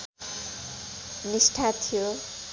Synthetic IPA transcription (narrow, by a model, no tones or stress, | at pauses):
nisʈʰat̪ʰijo